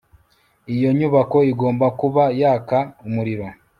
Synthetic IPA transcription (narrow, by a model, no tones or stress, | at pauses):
ijo̞ɲuβako̞iɡo̞ːmbakuβajaːkaumuɾiɾo̞